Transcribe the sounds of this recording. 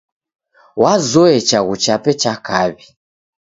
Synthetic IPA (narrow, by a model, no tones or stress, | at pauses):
wazɔɛt͡ʃaɣut͡ʃapɛt͡ʃakaβi